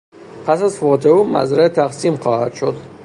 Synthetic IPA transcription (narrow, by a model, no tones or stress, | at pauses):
pʰæsazfot̪ʰeuma̰zɾat̪ʰæqsimχɒːhad̪ʃod̪